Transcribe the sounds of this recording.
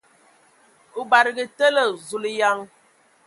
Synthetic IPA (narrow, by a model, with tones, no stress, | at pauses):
u˨ba˨ɾi˨ɡi˨tə˦lə˨zu˨li˨ja˦ŋ